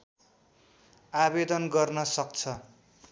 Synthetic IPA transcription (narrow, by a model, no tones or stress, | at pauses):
abed̪ʌnɡʌrnʌsʌk̚t͡sʰʌ